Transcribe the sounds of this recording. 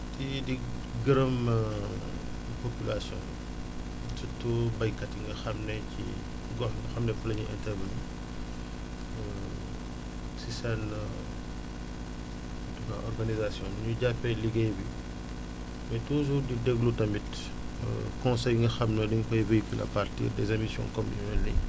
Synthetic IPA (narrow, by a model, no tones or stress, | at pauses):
tidi | ɡiɾɐmə | popilasjɔ̰̃ | titːubɐjkɐtiŋɡɐxɐmnɛcḭ | ɡɔħɡɐxɐmnɛfulɐɲiʔɛ̰ntɛvɐnṵ | sisan | tɔtɔkaʔɔrɡanizasjɔ̃nɲuɟapɛjliɡejbi | mɛtuːzudidɛɡlutɐmit | kɔ̃nsɛjŋɡɐxɐmnɐdiŋfɐjvejkylɐ̰partḭːdɛzɐmisjɔ̰̃ŋkɔminɛlɛ